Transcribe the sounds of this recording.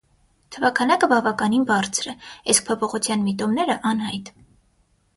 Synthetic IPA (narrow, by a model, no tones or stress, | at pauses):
t̪ʰəvɑkʰɑnɑkəbɑvɑkɑninbɑɾt͡sʰɾɛisk̚pʰɔpʰɔχut͡sʰjɑnmit̪ɔmnɛɾəʔɑnhɑjt̪